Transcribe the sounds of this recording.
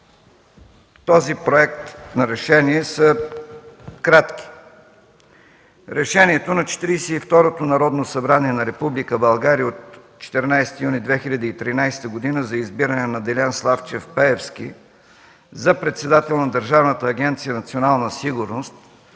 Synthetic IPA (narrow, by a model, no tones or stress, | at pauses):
t̪ɔzipɾoɛk̚t̪nɐɾɛʃɛniɛsə | kɾat̪k̟i̥ | ɾɛʃɛniɛt̪onɐt͡ʃɛ̥t̪iɾisɛift̪ɔɾot̪onɐɾɔd̪nosɐbɾaniɛnɐɾɛpublikəbɐlˠɡaɾijəot̪ | t͡ʃɛ̥t̪ɛɾnajst̪ijunid̪vɛxilʲəd̪iːt̪ɾinajst̪əɡod̪inəzɐizbiɾənɛnɐd̪ɛlʲanslˠaft͡ʃɛfpɛɛfskʲḭ | zɐpɾɛt̪sɛd̪at̪ɛlˠnɐd̪əɾʒavnət̪əːɡʲɛnt̪sijənɐt̪sionalˠnəsiɡʊɾnost̪